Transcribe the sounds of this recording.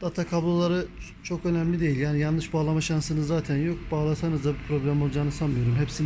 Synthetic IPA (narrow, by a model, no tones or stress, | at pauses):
d̪̥at̪ʰakʰablˠalˠaɾɯ | t͡ʃʰo̞kø̞næmlʲid̪e̞jilʲjaːnijanlˠɯʃbaːlˠamaʃansɯnɯzaːt̪ʰænjo̞k̚baːlˠasanɯzd̪abipʰɾo̞blʲæmo̞lˠd͡ʒaːnɯsanmɯjo̞ɾumɦepsin